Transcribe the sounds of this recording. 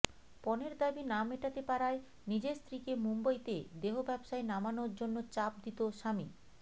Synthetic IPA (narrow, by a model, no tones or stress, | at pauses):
pɔneɾd̪abinameʈat̪epaɾae | nid͡ʑeɾst̪ɾikemumbajt̪ed̪eɦobɛbʃaenamanoɾd͡ʑonːot͡ɕap̚d̪it̪oʃami